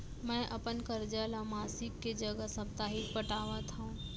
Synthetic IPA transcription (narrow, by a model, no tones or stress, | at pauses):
mɛ̃ʔəpənkəɾd͡ʒalamaːsɪkːed͡ʒəɡəsəp̚t̪aːɦikpəʈaːʋat̪ʰaũ